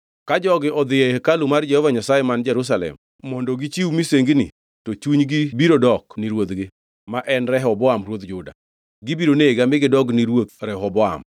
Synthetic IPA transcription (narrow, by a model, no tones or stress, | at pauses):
kad͡ʒɔɡɪʔɔd̪ɪekalumard͡ʒɛhɔvaɲasajɛmand͡ʒɛɾus̬alɛ̰m | mɔndɔɡit͡ʃiwumiseŋɡnɪ̰ | tot͡ʃuɲɡibiɾodɔkniɾwot̪ɡɪ | maʔɛnɾɛɦɔbɔamɾwot̪d͡ʒʊda̰ | ɡibiɾoneɡamɪɡɪdɔɡnɪɾwot̪ɾɛɦɔbɔa̰m